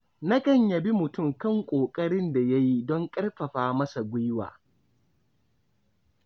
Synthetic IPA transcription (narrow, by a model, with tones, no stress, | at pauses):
na˦kɐ˦˨ɲjɐ˨bi˦mʊ˨tʊ˦˨mkɐ˦˨ŋkʷʼoː˨kʼɐ˦ɽɪ˦nda˨ja˦ji˦dɔ˦ŋkʼɐ˦rɸɐ˨ɸaː˨mɐ˦sa˨ɡʷʊ˦jwa̰ː˨